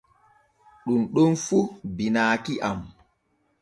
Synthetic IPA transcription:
ɗunɗunfubinaːkiʔam

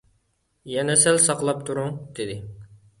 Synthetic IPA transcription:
jɛnɛsɛlsɑqlˠɑp̚t̪ʰuɾʊŋd̪̥ɪd̪ɪ

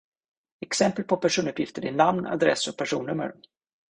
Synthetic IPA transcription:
ɛksɛmpəl̚pʰɔpʰæʂuːnɵpjɪft̪əɾɪnamna̰d̪ɾɛ̰sːɔk̚pʰæʂuːnːɵmːə̰ɾ

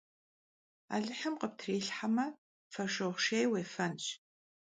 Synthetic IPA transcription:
a̰ːɮɨħəmqəp̚tʰriːɬħamɐ | fɐʃowχʷʃeːjweːfɐnɕ

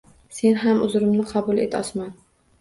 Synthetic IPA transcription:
se̞nɦamʊzɾɪmnɪqʰɑbʊlˠe̞̰t̪ʰɒsman

